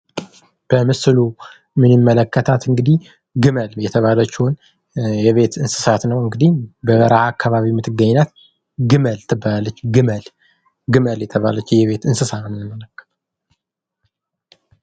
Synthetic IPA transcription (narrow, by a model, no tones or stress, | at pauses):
b̥əmɨsɨlu | mɨnɨmːələkːət̪ʰat̪ɨŋɡɨd̪ih | ɡɨməljɛt̪ʰəβalət͡ʃːun | jɛβe̞t̪ɨnsɨ̥sat̪nəwɨŋɡɨd̪ibəβəɾahakːaβaβimɨt̪ʰːɨɡːəɲːnat̪ | ɡɨməlt̪ʰɨbːalalːət͡ʃːɡɨməl | ɡɨməljɛt̪ʰəβalət͡ʃːjɛβe̞t̪ɨnsɨsanɨnɨnɨmːələkːə̥t̪ʰ